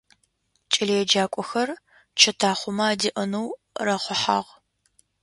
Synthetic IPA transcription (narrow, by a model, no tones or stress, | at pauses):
t͡ʃʼɪlejɛd͡ʒaːkʷʼɔxɐr | t͡ʃʰɐtʰaːχʷʊmɐaːdiʔənuw | rɐχʷʊħa̰ːʁ